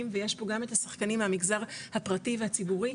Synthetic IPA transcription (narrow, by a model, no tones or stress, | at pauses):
mveje̞ʃboɡame̞thasaχkanimamiɡzaʁhapʁativehat͡sibuʁi